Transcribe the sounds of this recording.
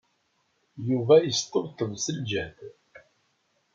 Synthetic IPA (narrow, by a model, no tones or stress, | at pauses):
juvæjəst̪ˤːəvt̪əðsəld͡ʒæθ